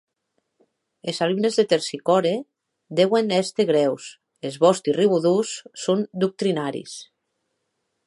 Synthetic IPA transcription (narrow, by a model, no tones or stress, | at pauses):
ezalumnezðet̪eɾsikɔɾe | d̪ewenɛst̪eɣ̞ɾɛws | ezβɔst̪iriβuðusːond̪uk̚t̪ɾinaɾḭs